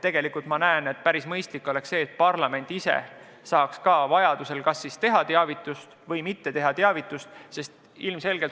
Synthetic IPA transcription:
t̪e̞ɡ̥e̞likult̪mɑnæene̞t̪̚pæɾismɤjst̪likːˑo̞le̞ksse̞ːt̪̚pɑrlɑme̞nʲt̪ise̞̰ | sɑːkskɑːvɑjɑd̪̥use̞lkɑsːist̪e̞ɦɑt̪eɑvit̪ːˑust̪vɤ̞jmit̪ːe̞t̪e̞ɦɑt̪eɑvit̪ːˑust̪se̞st̪ | ilmse̞lɡ̥e̞lt

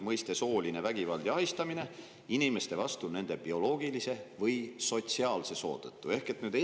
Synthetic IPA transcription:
mɤjst̪e̞so̞ːline̞væɡivɑld̪̥jɑɦist̪ɑmine̞ | inime̞st̪e̞vɑst̪une̞nd̪̥e̞b̥io̞lo̞ːɡ̥ilise̞vɤjso̞t̪siɑːlse̞so̞̰ːd̪̥ɤt̪ˑːue̞hke̞t̪nyːd̪e

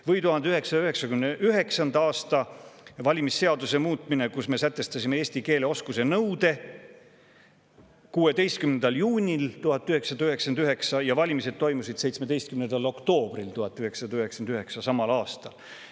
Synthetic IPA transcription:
vɤjt̪uɦɑnd̪eyɦe̞ksɑ̥ɑyheksɑkymneʔyɦe̞ksɑnd̪ɑɑːst̪ɑvɑlʲimisːeɑd̪use̞muːt̪ˑmine̞kusme̞sæt̪ːˑe̞st̪ɑsʲimeeːsʲt̪ike̞ːle̞o̞skuse̞nɤwd̪̥e̞ | kuːe̞d̪e̞jst̪̚kymnend̪̥ɑljuːnʲilt̪uhɑt̪ːˑyɦe̞ksɑd̪̥ɑyhe̞ksɑnd̪yɦe̞ksɑjɑvɑlʲimise̞d̪̥̚t̪o̞jmusid̪̥se̞jt̪sme̞d̪e̞jst̪kymnend̪̥ɑlo̞kt̪o̞ːb̥rilt̪uhɑt̪ːˑyhe̞ksɑd̪ɑyhe̞ksɑnd̪yɦe̞ksɑsɑmɑlɑːst̪ɑl

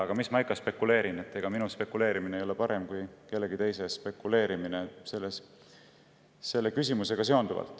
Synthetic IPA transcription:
ɑɡ̥ɑmismɑɑjkːˑɑspe̞kːule̞ːɾine̞t̪ːˑe̞ɡ̥ɑminuspe̞kːule̞ːɾimineejo̞lepɑɾe̞mkujke̞lːe̞ɡit̪e̞jse̞spe̞kːule̞ːɾiminese̞lːes | e̞lːe̞kysʲimuse̞ɡ̥ɑse̞o̞nd̪uvɑ̰lt̪ːˑ

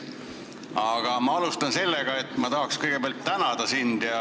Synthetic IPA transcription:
ɑɡ̥ɑmɑɑlust̪ɑnse̞lːeɡ̥ɑe̞t̪ːˑmɑt̪ɑɦɑkskɤjɡebeɑlt̪ːænɑd̪̥ɑsind̪̥jɑ

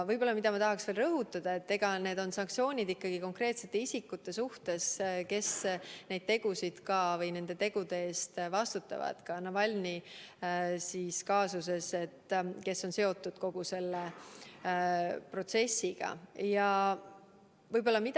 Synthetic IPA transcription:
vɤjbo̞lːɑmid̪̥ɑmɑt̪ɑɦɑksve̞ːlrɤɦut̪ːˑɑd̪̥ɑe̞t̪ːe̞ɡ̥ɑne̞ːd̪̥o̞nsɑŋk̚tsio̞ːnʲid̪ikːɑɡ̥iko̞ŋkre̞ːt̪se̞t̪ːˑe̞isʲikːut̪ːe̞suht̪e̞ske̞sne̞jd̥̪̚t̪e̞ɡ̥usid̪̥kɑvɤjne̞nd̪̥e̞t̪e̞ɡ̥ud̪e̞e̞ːst̪vɑst̪ut̪ːˑɑ̰vɑ̰d̪̥kɑnɑvɑlʲni | siːskɑːsus̬e̞se̞t̪ːke̞sːo̞nse̞o̞t̪ːud̪̥ko̞ɡ̥use̞lːe | pro̞t̪se̞sʲːiɡ̥ɑ̰jɑ | vɤjbo̞lːɑmid̪

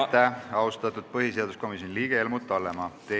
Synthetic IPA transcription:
t̪ːæɑust̪ɑt̪ːˑud̪̥̚pɤɦise̞ɑd̪usko̞misjonliːɡ̥eelmut̪ːˑɑlːemɑt̪e

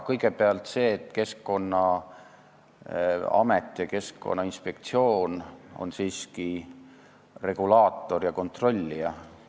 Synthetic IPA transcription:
kɤjɡke̞peɑlt̪se̞ːt̪ːˑke̞skːo̞nːɑ | ɑ̰met̪ˑːjɑke̞skːo̰nːɑinspe̞kt̪sio̞ːno̰nsiːski | re̞ɡ̥ulɑːt̪ːˑo̞rjɑko̞nt̪ro̞lʲːiɑ

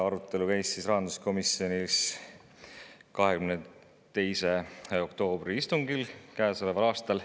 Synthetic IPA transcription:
ɑɾut̪ːˑe̞lukæjsːisrɑɦɑnd̪usko̞misio̞nis | kɑɦekymne | t̪e̞jse̞o̞kt̪o̞ːb̥ɾiist̪uŋɡ̥ilkæeselevɑlɑːst̪ɑl

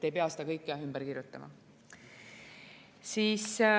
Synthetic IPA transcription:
t̪ːe̞jpeɑse̥d̪ɑkɤjkːeɑhymb̥eɾkiɾjut̪ːˑɑmɑ̰ | siːs

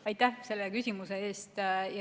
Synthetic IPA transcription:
ɑjt̪ːˑæhse̞lːekysʲimuse̞e̞ːst̪jɑ

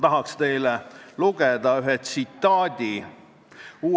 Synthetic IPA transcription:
t̪ɑɦɑkst̪e̞jleluɡ̥ed̪ɑyɦet̪sit̪ːɑːd̪̥ʲi | uː

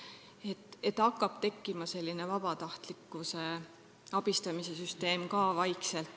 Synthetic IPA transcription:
et̪ːe̞t̪ːɑkːˑɑb̥t̪e̞kːimɑse̞lʲːine̞vɑb̥ɑt̪ɑht̪likːˑuse̞ | ɑb̥ist̪ɑmise̞syst̪e̞ːmkɑːvɑjkselt̪

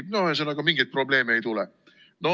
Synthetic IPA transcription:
noɑsenɑkɑmiŋɡ̥ijt̪̚pro̞ble̞ːmeejt̪ulɛ | no

